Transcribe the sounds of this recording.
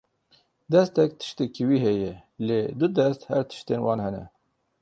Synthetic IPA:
d̪ɛst̪ɛk̚t̪ʰɨ̥ʃt̪ɛkiwiːɦɛjɛleːd̪ʊd̪ɛst̪hɛɾt̪ʰɨ̥ʃt̪eːnwɑːnhɛnɛ̰

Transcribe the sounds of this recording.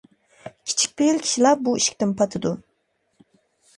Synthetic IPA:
kʲʰi̥t͡ʃʰi̥k̚ʲpeilkʲʰi̥ʃilɑp̚buiʃi̥kʲt̪ɪnpʰɑt̪ʰɨd̪u

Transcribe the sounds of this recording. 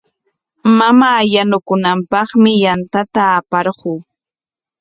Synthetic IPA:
mamaːjanʊkʊnampɑχmɪjant̪at̪aːpɑɾɢuː

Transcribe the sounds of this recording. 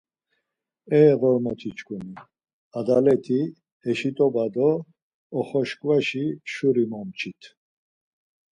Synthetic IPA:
ɛːʁɔɾmɔt̪ʰit͡ʃkʰʼuni | ad̪alɛt̪ʰi | ɛʃit̪ʼɔbad̪ɔː | χɔʃkʼvaʃiʃuɾimɔmt͡ʃʰit̪ʰ

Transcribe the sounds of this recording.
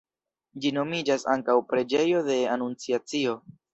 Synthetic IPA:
d͡ʒino̞mid͡ʒasa̰ŋkawpɾe̞d͡ʒe̞jo̞de̞anunt͡siat͡sio̞

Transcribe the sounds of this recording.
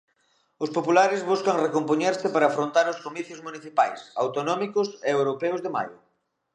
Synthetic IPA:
ʊspopulaɾɪzβuskɐŋrekompoɲeɾsɪpaɾaːfɾõnt̪aɾʊskomiθjʊzmuniθipajsawt̪onɔmikʊseewɾopɛwzðɪma̰jʊ

